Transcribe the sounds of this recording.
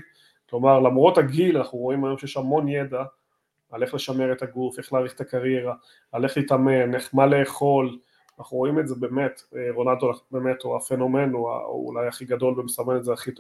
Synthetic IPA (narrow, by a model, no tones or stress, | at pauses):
klo̞maʁlamʁo̞thaɡilanaχnuʁo̞imajo̞mʃejeʃamo̞njed̪aː | le̞χle̞ʃame̞ʁet̪aɡufe̞χlaːʁiχet̪akaʁjeʁa | ale̞χlit̪ameneχmale̞ːχo̞l | anaχnuʁo̞imezebe̞ːme̞teʁo̞naldolabemetuafe̞no̞me̞nua̰ṵlajaχiɡado̞lbemesamenezeaχit